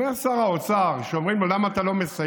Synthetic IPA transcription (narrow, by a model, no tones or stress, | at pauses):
easaʁaot͡saʁʃeomʁimlolamaːt̪alo̞me̞sa